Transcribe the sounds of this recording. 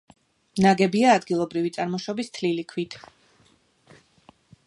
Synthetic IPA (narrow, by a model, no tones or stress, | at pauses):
naɡɛbiaːd̪ɡilˠɔbɾivit̪sʼaɾmɔʃɔbist̪ʰlilikʰwit̪ʰ